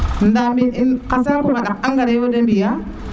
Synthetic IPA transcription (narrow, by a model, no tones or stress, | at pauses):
ndamininkasaŋkukaɗak̚aŋɡaɾajwadembija